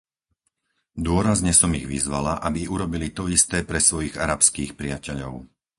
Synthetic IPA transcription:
d̪ʊɔɾazɲɛsɔmiɣʋḭzʋalaʔabiuɾɔbilit̪ɔist̪ɛːpɾɛsʋɔjiɣaɾapskiːxpɾiacɛʎɔʊ

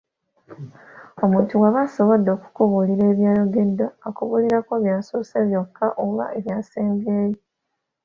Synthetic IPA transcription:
o̞mũːntuwaβaso̞βo̞dːo̞ːku̥kuβuliɾe̞ːβjaːlo̞ɡe̞dːaːkuβuliɾako̞βjaːsose̞ːβjo̞kʰːaʔoβa̰eβjaseːmbeːji

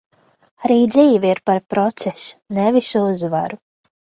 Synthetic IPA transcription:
aɾiːd̪ziːvʲiɾpaɾpɾɔt̪sesu̥nɛvisuuzva̰ɾu

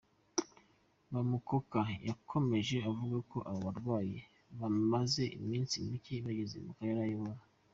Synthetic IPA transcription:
βamukokajakʰo̞me̞ʒe̞avuɡako̞ʔaβaβaɾɡwaːje | βamaze̞ʔḭmiːnsimiciβaɟezḛmukaɾeɾajoɾa

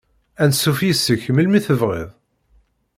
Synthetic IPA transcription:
ænsːufijəsːəçmilmiθəvʁɪ̰ðˤ

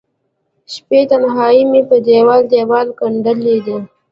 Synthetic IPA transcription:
ʃpet̪anaɦɑimepəd̪ewɑld̪ewɑlkəɳɖəlːid̪i

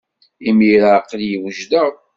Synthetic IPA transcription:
imiɾaqːljiwəʒd̪ə

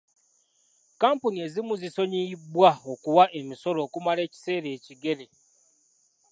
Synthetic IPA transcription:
kaːmpunie̞zimuziso̞ɲibwao̞kuwaʔe̞miso̞lo̞ːkumale̞ːci̥se̞ːɾe̞ːciɡe̞ɾe̞

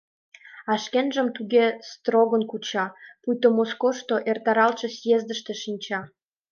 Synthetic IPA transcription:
ɑʃkenʒə̆mt̪uɣest̪roɣənkut͡ɕɑpujt̪omoskoʃt̪oʔert̪ɑɾɑlʃĕsjezd̪əʃt̪e̽ʃinʲt͡ɕɑ

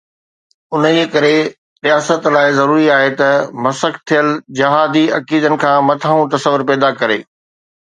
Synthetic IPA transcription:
ʊnəikɐɾe | ɾijaːsət̪laːɪzɐɾuːɾiaːɦet̪ɐmɐsəxt̪ʰijəld͡ʑɐɦaːd̪iɐkiːd̪ənɪ̆kʰãːmɐt̪ʰaːũt̪ɐsəʋəɾpɛːd̪akɐɾeː

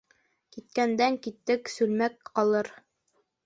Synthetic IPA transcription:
kit̪̚kænd̪æŋkit̪ːɘksʉlmækqɑlˠɤɾ

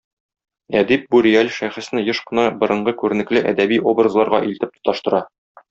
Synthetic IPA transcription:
æd̪ip̚buɾʲɪalʲʃæχɘ̆snɘjɤʃqɤ̆nɑbɤ̆ɾɤ̆ɴɢɤkʉɾɘ̆nɘ̆klɘʔæ̰d̪æbio̞brɤzlˠɑɾʁɑʔilt̪ɘp̚t̪ŏ̥t̪ɑʃt̪ɤ̆ɾɑ

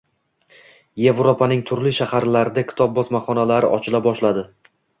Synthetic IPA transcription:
je̞vɾopʰanɪŋt̪ʰʊɾlɪʃahaɾlaɾɪd̪akʲʰɪ̥t̪ʰɒb̚bɒsmaχɒnalaɾɪʔɒt͡ʃʰɪlabɒʃlad̪ɪ

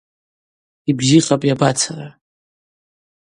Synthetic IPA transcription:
ibziχapʼjabat͡sʰaɾa

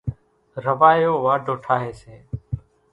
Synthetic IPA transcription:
ɾəʋaːjoːʋaːɖoːʈʰaːɦeːseː

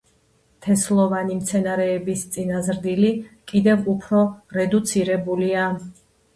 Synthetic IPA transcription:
t̪ʰɛslˠɔvanimt̪sʰɛnaɾɛːbist̪sʼinazɾd̪ilikʼid̪ɛvupʰɾɔɾɛd̪ut̪sʰiɾɛbulia

